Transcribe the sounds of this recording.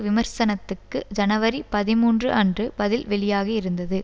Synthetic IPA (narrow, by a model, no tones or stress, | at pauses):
ʋɪmɐɾsɐnɐt̪ːɯkːɯd͡ʒɐnɐʋɐɾipɐðɪmuːndrɯʔɐndrɯbɐðɪlʋɛɭɪjaːɣɐɪɾɯnd̪ɐðɯ